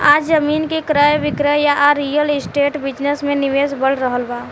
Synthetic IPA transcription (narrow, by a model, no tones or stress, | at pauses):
ad͡ʒzəmiːnkekɾəjʋɪkɾəjaʔɾijəlɪsʈeːʈbɪd͡ʒnəsmẽniʋeːsbəɽɾəɦəlba